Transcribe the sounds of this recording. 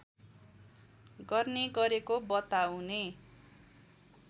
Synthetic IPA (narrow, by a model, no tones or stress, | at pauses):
ɡʌrneɡʌɾekobʌt̪awne